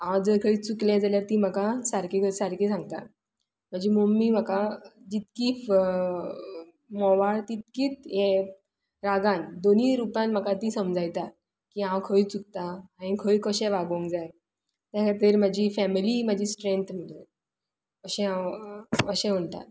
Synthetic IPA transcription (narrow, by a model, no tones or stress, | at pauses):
ãʋad͡zəɾkʰəɭiːt͡suklɛ̃d͡zaljaɾt̪iːm̤akasaɾkikəɾsaɾkiːsãŋɡ̚t̪a̰t̪ | m̤əd͡ʑimomːiːm̤akad͡ʑit̪kiːf | mɔʋaɭt̪it̪̚kiːt͡s̪jẽ | ɾaɡand̪oniːɾupãnm̤akat̪iːsəmd͡zʱajt̪a | kiãwkʰəit͡suk̚t̪aãĩkʰəikəɕɛ̃ʋaɡoŋkd͡zaj | t̪jakʰaɾt̪iːɾm̤ad͡ʑifɛmiliːm̤ad͡ʑʱiːsʈɾent̪ʰm̤əɽə | əɕɛ̃ã | əɕɛ̃ʋəɳt̪a̰